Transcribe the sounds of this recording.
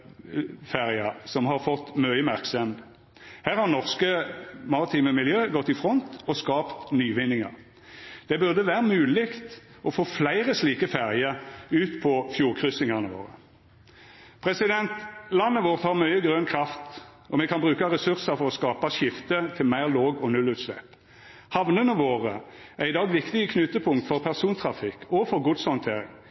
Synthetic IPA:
fæʁɪɑsɔmɦɑʁfɔt̪ːmœʏəmæʁksɛmd̪ | hæːʁhɑʁnɔʁskəmɑʁɪt̪ʰiːməmɪljøːɡɔt̪ːɪfʁɔnt̪ɔskɑːpt̪nyːʋɪnːɪŋɑ̰ʁ | d̪̥ɛbʉʁd̪əʋæːʁəmʉːlɪkt̪ | ɔfoːflæɪʁəsliːkəfæʁɪəɾʉːt̪pʰɔfjuːʁkʰʁʏsɪŋɑʁnəʋo̰ːʁə̰ | pʰʁɛsɪd̪ɛnt̪lɑnːəʋoːʁt̪hɑːʁmœʏəɡʁœnkʰʁɑft̪ | ʔɔmɛkʰɑnbʁʉːkɑʁɛsʉʁsəfɔʁɔskɑːpɑʃɪft̪ət̪ʰɪlmæɪʁloːɡɔnʉlːʉːt̪slɛ̰p | hɑʋnənəʋoːʁə | æʁɪd̪ɑːɡʋɪkt̪ɪəkʰnʉt̪əpʰʊŋkt̪fɔʁpʰæʁsuːnt̪ʰʁɑfɪkːɔfɔʁɡʊd̪shɔnt̪ʰeːʁɪ̰ŋ

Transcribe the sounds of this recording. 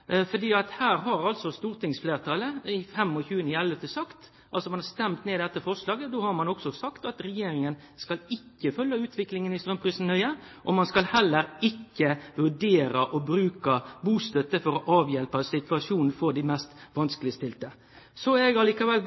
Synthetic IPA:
fɔʁd̪iːɑt̪hæːɾɦɑɾɑlsɔst̪uːɾt̪ɪŋsfleːʁt̪ʰɑːləɪfɛmːɔçʉːənəɛlʋət̪əsɑkt̪ | ʔɑlsɔmɑnhɑst̪ɛmt̪neːd̪ɛt̪ːəfɔʁʂlɑːɡəd̪oːhɑɾmɑnɔksɔsɑkt̪ɑt̪ɾɛjeːɾɪŋən | skɑlɪkːəfœljɑʉːt̪ʰʋɪklɪŋənɪst̪ɾœmpɾisn̩hœʏə | ʔɔmɑnskɑlhɛlːəɾɪkːəʋʉɖeːɾɑʔɔbɾʉːkɑbuːst̪œt̪ːəfɔɾɔʔɑːʋjɛlpəsɪt̪ʰʉɑʂuːnn̩fɔɾd̪ɪmɛst̪ʋɑnskəlɪst̪ɪlt̪ə | sɔɛɡɑliːkɑʋɛl

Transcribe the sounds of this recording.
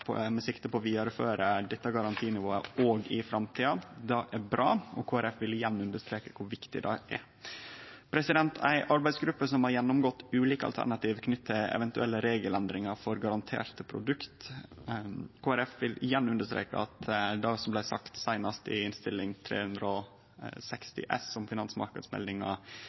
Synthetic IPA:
pʰmɛsɪkt̪əpɔʋiːd̪ɑɾəføːɾəd̪ɛt̪ːəɡɑɾɑnt̪ʰiːnɪʋoːəoːɡɪfɾɑmt̪ʰiːɑd̪ɑʔæɾbɾʔɑ̰ːɔ̰kʰoːæɾɛfʋɪlɪjɛnːʉnd̪əʂt̪ɾeːkə̥kʰʊɾʋɪkt̪ɪd̪ɛ̰ʔæɾ | pʰɾɛsɪd̪ɛnt̪ʰæɪʔɑɾbæɪsɡɾʉpːəsɔmhɑɾjɛnːɔmɡɔt̪ːʉːliːkəɑ̰t̪ʰæ̰ɳɑt̪iːʋkʰnʏt̪ʰːəɛ̰ʋɛnt̪ʉɛlːəɾeːɡəlɛnd̪ɾɪŋɑɾfɔɾɡɑɾɑnt̪ʰḛːɾt̪əpʰɾʊ̰d̪ʉkt̪ | kʰoːæɾɛfʋɪlʔɪjɛnːʉnd̪əʂt̪ɾḛːkə̰ɑt̪d̪ɑsɔmblæɪsɑkt̪sæɪnɑst̪ɪ̰ɪnst̪ɪlːɪŋt̪ʰɾḛːhʉnd̪ɾəɔ | sɛkst̪ɪ̰ʔɛ̰sɔmfɪnɑnsmɑ̰ɾkəd̪smɛ̰ld̪ɪŋɑ̰

